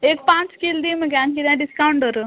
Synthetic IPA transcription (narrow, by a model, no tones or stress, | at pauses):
ekpãt͡ʃkild̪imeɡaŋkid̪ãɖiskawɳɖəɾu